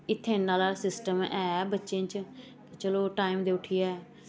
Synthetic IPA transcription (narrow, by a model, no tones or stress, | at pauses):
ɪt̪ʰːẽːnaːlaːsɪsʈəmɛːbətːʃẽːt͡ʃː | t͡ʃəloːʈaːimd̪eːʊʈʰɪjaɛː